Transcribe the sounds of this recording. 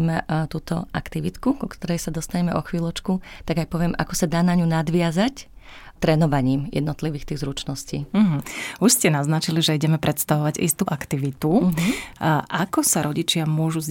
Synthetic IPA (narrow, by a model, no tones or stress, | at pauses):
mɛt̪uːt̪ɔ̰ʔakt̪iʋit̪kukɔkt̪ɔɾɛjsad̪ɔst̪aɲɛmɛʔɔxʋiːlˠɔt͡ʃkut̪aɡajpɔʋɪɛmʔa̰kɔsad̪aːnaɲunad̪ʋɪazac | t̪ɾɛnɔʋaɲiːmjɛ̰d̪nɔt̪liʋiːxt̪iːɣzɾut͡ʃnɔsciːɦ̩uʃscɛnaznat͡ʃiliʒɛiɟɛmɛpɾʔɛt̪st̪aʋɔʋaɟḭst̪uːʔakt̪iʋit̪u | ʔakɔsaɾɔɟit͡ʃɪamʊɔʒuz